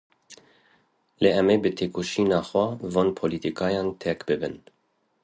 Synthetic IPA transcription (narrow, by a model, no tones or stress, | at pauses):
leɛmeːbɨt̪ʰeːkoʃiːnɑːxwɛvoːnpʰolit̪ikɑːjɑːnt̪ʰɛkbɨbɨ̰n